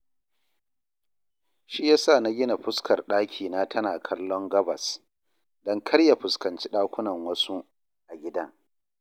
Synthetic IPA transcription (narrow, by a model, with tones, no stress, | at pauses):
ʃi˦jaː˦saː˦˨na˦ɡʲɪ˦na˨ɸʊ˦skɐ˨rɗaː˦kʲʰiː˨naː˦tʰɐ˦naː˨kʰɐ˦lːɔ˦ŋɡɐ˦bɐ˨s | dɔ˦ŋkʰɐ˦ɽja˨ɸʊ˨skɐ˨nt͡ʃi˦ɗaː˦kʷʊ˦nɐ˨ŋwɐ˦su˦ | ʔa˨ɡʲɪ˦da˦